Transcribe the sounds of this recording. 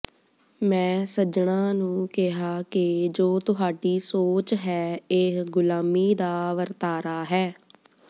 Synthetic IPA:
mɛ̃ːsəd͡ʒɳãːnũːkɪɦaːkɪd͡ʒoːt̪ʊɦaːɖiːsoːt͡ʃɦɛːeɡʊlaːmiːd̪aːʋəɾt̪aːɾaːɦɛː

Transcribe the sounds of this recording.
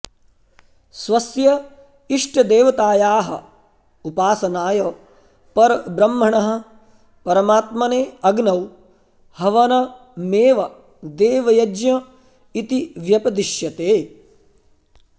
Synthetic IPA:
sʋɐsjɐ | iʂʈɐd̪eːʋɐt̪aːjaːɦɐ̰ | upaːsɐnaːjɐ | pɐɾbɾɐmːɦɐɳɐɦɐ̆ | pɐɾɐmaːt̪mɐneːɐɡnɐw | hɐʋɐnɐ | meːʋɐ | d̪eːʋɐjɐd͡ʒjɐ | it̪iʋjɐpɐd̪iʃjɐt̪eː

